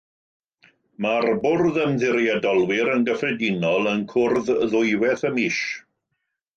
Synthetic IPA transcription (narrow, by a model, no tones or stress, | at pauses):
marbʊrðəmðɪɾjadɔlˠwɪɾənɡəfrɛdinɔlˠənkʰʊrððʊɨwɛθəmiːʃ